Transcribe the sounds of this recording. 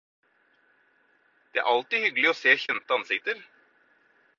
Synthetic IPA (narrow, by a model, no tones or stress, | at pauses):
d̪̥ɛæ̰ɾʔɑlt̪ɪhʏɡlɪɔseːçɛnt̪əɑnsɪkt̪əɾ